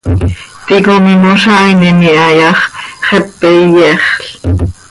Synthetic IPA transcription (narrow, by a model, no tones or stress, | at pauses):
t̪ikomimoʃɑininiɑjɑχχɛpːejɛχɬ